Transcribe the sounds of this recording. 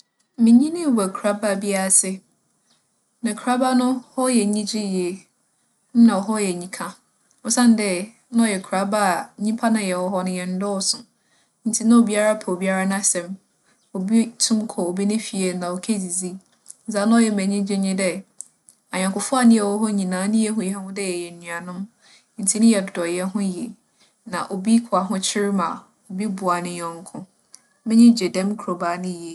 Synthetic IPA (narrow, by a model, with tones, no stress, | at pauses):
mɪ̃˨ɲĩ˦nɪ̃˦˨wɛ˨kʰu˨ɾa˦ba˦˨bi˦a˦˨sɪ˦ | nã˨kʰa˦ba˦nʊ̃˦hɔ˦jɛ˨ɲĩ˦d͡ʑɪ˦ji˨e˨ | n̩˦nã˨wɔ˨ɦɔ˦jɛ˨ɲĩ˦kʰã˦ | ɔ˨sã˦n˦dɛ˦ | ñ˦ɔ˦˨jɛ˨kʰa˨˦ba˦˨˦ɲĩ˦pʰa˦nã˨jɛ˨wɔ˨ɦɔ˦nʊ̃˨˦jɛ˨n̩˦dɔ˦˨sʊ̃˨ | n̩˦tʰi˨˦nã˦o˨bi˦a˦ɾa˦pʰa˨o˨bi˦a˦ɾa˦nã˦sɛ̃˨m | o˨bi˦tʰũ˦mkʰɔ˨o˨bi˦nɪ̃˦fi˨e˨nã˨o˨kʰe˦d͡zi˨d͡zi˦ | n̩˨˦zã˦nã˦ɔ˦˨jɛ˨mɛ̃˨ɲĩ˦d͡ʑɪ˦ɲɪ̃˦dɛ˦ | a˨ɲã˨kʰʊ˨fʊ˦a˨nɪ̃˦ɛ˨wɔ˦ɦɔ˦ɲĩ˨nãː˨˦nɪ̃˦jɛ˦ɦʊ̃˨jɛ˨ɦɛ˦hʊ̃˦dɛ˦jɛ˨jɛ˨n˨nĩ˨a˨nʊ̃˦m | n̩˦tʰi˦nʊ̃˦jɛ˨ddɔ˨jɛ˦ɦʊ̃˦je˨ | nã˨ʔo˨bi˦kʰʊ˨a˨ɦʊ̃˦t͡ɕʰɪ˦ɾɪ˦mã̰˨ | o˨bi˦bʊ˨a˨nɪ̃˨ɲɔ̃˨ŋ˨kʰʊ̃˦ | mɪ̃˦ɲɪ̃˦d͡ʑɛ˨dɛ̃˦mkʰɾo˨ba˨˦nɪ̃˦je˨